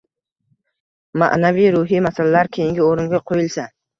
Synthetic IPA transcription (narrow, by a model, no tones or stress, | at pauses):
ma̰ʔnaviɾʊɦimasalalaɾkʲʰejɪŋɡʲɪoɾɪŋɡʲaqʰojɪlˠsa